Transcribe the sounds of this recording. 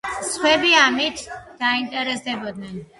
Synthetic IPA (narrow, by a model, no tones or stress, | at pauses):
sχwɛbiamit̪ʰd̪̥aint̪ʼɛɾɛsd̪ɛbɔd̪nɛn